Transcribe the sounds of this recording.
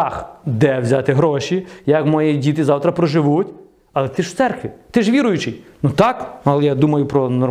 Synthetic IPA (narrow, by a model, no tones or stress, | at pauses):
ɑxd̪ɛwzʲat̪ɪɦɾɔʃijɐkmɔjidʲit̪ɪzɑwt̪ɾɐpɾɔʒɪʋutʲ | ɐlˠɛt̪ɪʃwt̪sɛrkʋɪt̪ɪʒʋʲiɾʊjʊt͡ʃɪjnut̪ɑknɐlˠɛjad̪umɐjʊpɾɔnɔr